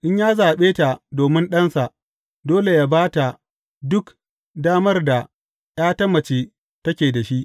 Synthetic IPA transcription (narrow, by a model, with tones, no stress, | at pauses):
ʔɪ˦ɲjaː˦zaː˨ɓeː˦ta˨doː˨mɪ˦nɗɐ˦nsa˨ʔ | doː˦le˨jaː˦baː˦ta˨ | dʊ˦k | daː˦mɐ˦rda˨ | j̰aː˦tɐ˦mːɐ˨t͡ʃeː˦ | tɐ˦kʲeː˨da˨ʃi˦ʔ